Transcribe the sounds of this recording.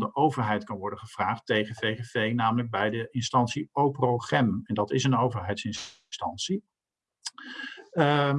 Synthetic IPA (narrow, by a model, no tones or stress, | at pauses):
dəʔowvəɹɦɛjtkɑnʋɔɹdəχəv̥raːχtejχəfejχevejnaːmələɡ̚bɛjdəʔɪnstɑnsiowpəroχɛmɛndɑtɪsənowvəɹɦɛjtsɪn | stɑnsi